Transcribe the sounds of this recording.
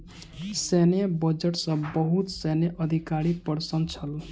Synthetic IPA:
senejbɔd͡ʒeʈsʌ̃bɔɦut̪seneʔʌd̪ʱikaɾipɔɾsənt͡ʃʰʌl

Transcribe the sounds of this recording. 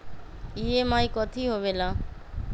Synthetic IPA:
iɦemãːĩkɔt̪ʰiːɦoːʋeːlãː

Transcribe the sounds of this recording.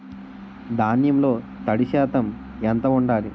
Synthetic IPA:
d̪aːnjɐmlo̞ː | t̪ɐɽiʃɛːt̪ɐm | ɛnt̪ɐuɳɖaːli

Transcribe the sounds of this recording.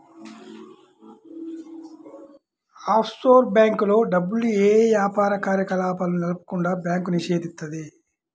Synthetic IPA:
aːpʰsʈo̞ːɾbjaːŋkulo̞ːɖɐbːulueːʋjaːpaːɾɐkaːɾjɐkɐlaːpɐlunɐlupu̥kuɳɖaːbjaːŋkuniʃe̞ːd̪ist̪ːɐd̪i

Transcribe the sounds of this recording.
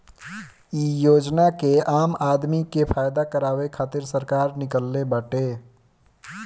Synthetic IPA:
iːjoːd͡ʒnakeaːmaːd̪mikepʰaːjd̪akəɾaːwekʰaːt̪ɪɾsəɾkaːɾnɪkəlːebəʈe

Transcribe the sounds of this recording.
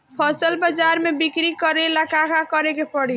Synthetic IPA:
pʰɔsəlbad͡ʒaɾmebikɾikəɾeləkakakəɾekepəɽi

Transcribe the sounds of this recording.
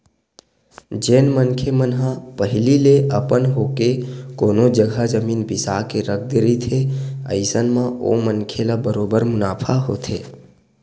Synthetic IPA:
d͡ʒenmənkʰemənɦãpəɦɪlileʔəpənɦokekoːnod͡ʒəɡʱad͡ʒəmiːnbɪsakeɾək̚ʰd̪ɪɾit̪ʰeə̰ɪsənmão̰mənkʰelabəɾoːbəɾmʊnaːpʰaɦo̰t̪ʰḛ

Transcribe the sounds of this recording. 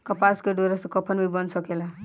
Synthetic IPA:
kɔpaskeɖoɾasẽkɔpʰənbʱibʌnsʌkela

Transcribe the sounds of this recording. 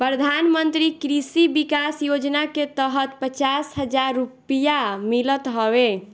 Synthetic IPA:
pɾəd̪ʱanmənt̪ɾikɾisibikasjod͡ʒnaket̪əɦət̪pət͡ʃasɦəd͡ʒaɾːupijamilət̪ɦɔbe

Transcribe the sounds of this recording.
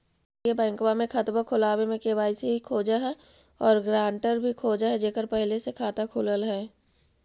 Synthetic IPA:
ebɛ̃ːŋkwamẽkʰɐt̪bakʰʊlaːwemẽkeʋaːɪseɦikʰoːd͡ʒaɦɛ | ɔːɾɡɾãːɳʈəɾbʱikʰoːd͡ʒaɦɛd͡ʒeːkəɾpɛɦlesekʰaːt̪akʰʊləlɦɛː

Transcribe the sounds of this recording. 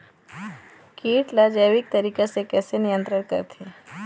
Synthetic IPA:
kiːʈlad͡ʒəjʋɪk̚t̪əɾiːkasekɛːsenɪjə̃nt̪ɾəɾkə̰ɾt̪ʰie

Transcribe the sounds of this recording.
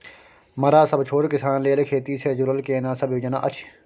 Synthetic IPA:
mɐɾaːsɐbt͡ʃʰoːʈkɪsaːnleːlkʰeːt̪iːsʰeːd͡ʒʊɾəlkeːnãːsɐbjuːd͡ʒɐna̰ːʔɐt͡ʃʰ

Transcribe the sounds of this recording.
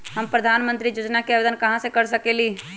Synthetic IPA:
ɦəmpɾəd̪ʱaːnmə̃nt̪ɾijoːd͡ʒnakeaʋed̪ənkɐɦãsekəɾsəkeliː

